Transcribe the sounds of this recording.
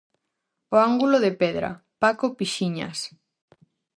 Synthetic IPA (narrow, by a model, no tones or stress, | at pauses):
oaŋɡuloðepɛðɾa̰pakopiʃiɲa̰s